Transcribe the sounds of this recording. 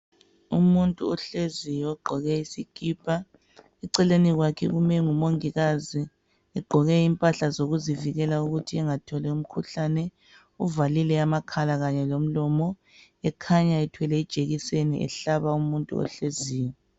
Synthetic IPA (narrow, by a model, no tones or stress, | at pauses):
umuntʼṵɔɬezijɔɡ͡ǃʱɔɣɛisikʼiːpʰʼa | ɛǀɛleniɣwakʰɛ̰ɣumɛŋumoŋiɣazi | ɛɡ͡ǃʱɔɣɛimpʼaɬazoɣuziviɣɛlauɣutʰiɛŋatʰɔlɛum̩kʰuɬanɛ | uvalilɛamakʰalaɣaɲɛlom̩lɔmɔ | ɛkʰaɲaɛtʰwɛlɛid̥ʒ̥ʱeɣisenḭʔɛ̰ɬaβaumuntʼṵɔ̰ɬeziːjɔ